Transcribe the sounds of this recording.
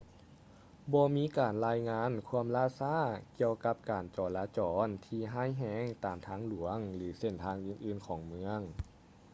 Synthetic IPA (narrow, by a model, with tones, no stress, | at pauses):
bɔː˧miː˧˥kaː˨˩nlaː˧˥jŋaː˧˥˨nkʰu˧˥˧əmlaː˧˥˨saː˧˥˨ki˧əwka˧˥p̚kaː˨˩nt͡ɕɔː˨˩laː˧˥t͡ɕɔː˨˩˦nt̪ʰiː˧ɦaː˧˥˩jɦɛː˧˥ŋt̪aː˨˩mt̪ʰaː˧˥ŋlu˨˩˦əŋlɯː˩˦se˧˩nt̪ʰaː˧ŋʔɯː˧˩nʔɯː˧˩nkʰɔː˨˩˦ŋmɯ˧əŋ